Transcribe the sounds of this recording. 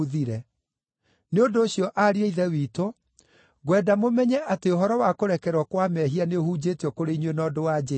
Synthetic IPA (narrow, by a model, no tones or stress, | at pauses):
ðiɾɛ | neondoːɕjɔʔaɾieiðɛwiːto | ɣwɛdamomɛɲɛʔateoɦɔɾɔwakoɾɛkɛɾwɔkwamɛɦianeohuːd͡ʑeteɔkoɾeiɲwenɔdowad͡ʑe